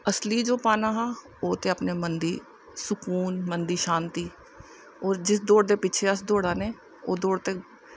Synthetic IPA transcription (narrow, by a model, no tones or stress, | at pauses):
əsliːd͡ʒoːpaːnaːɦaː | oːt̪eːəpneːmənd̪iː | sʊkuːnmənd̪iːʃaːnt̪iː | ɔːɾd͡ʒɪs̬d̪oːɽd̪eːpɪt͡ʃʰeːəsd̪oːɽaːneː | oːd̪oːɽt̪eː